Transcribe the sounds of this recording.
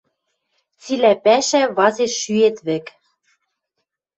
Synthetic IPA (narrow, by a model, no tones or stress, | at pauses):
t͡silæpæʃæβɑzeʃːyet̪βɘ̆k